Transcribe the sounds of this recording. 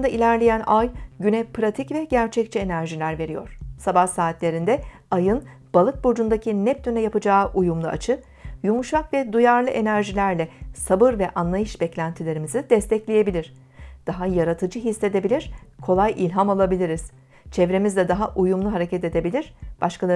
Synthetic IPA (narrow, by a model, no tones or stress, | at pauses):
ɯnd̪ailʲæɾlʲejænʔajɟynɛpʰɾat̪ʰicvɛɟæɾt͡ʃʰɛc̚t͡ʃʰie̞næɾʒilʲæɾve̞ɾijo̞̰ɾ̥sabahsaːt̪lʲe̞ɾind̪ɛ | ajɯn | b̥alˠɯk̚buɾd͡ʒund̪acʰinɛp̚t̪ʰynɛjapɯd͡ʒaːʔujumlˠua̰t͡ʃʰɯ | jumuʃakvɛd̪ujaɾlˠɯʔe̞næɾʒilʲæɾlʲɛsabɯɾvɛʔanlˠajɯʃbɛclʲænt̪ʰilʲe̞ɾimizid̪ɛst̪ʰɛclʲeje̞bilʲiɾ̥ | d̪̥aɦajaɾat̪ʰɯd͡ʒɯɦisːe̞d̪e̞bilʲiɾ̥kʰo̞lˠajʔilʲɦamalˠabilʲiɾiz̥ | t͡ʃʰɛvɾe̞mizd̪ɛd̪aɦaʔujumlˠuɦaɾe̞cʰɛt̪e̞d̪e̞bilʲiɾ̥b̥aʃkʰalˠa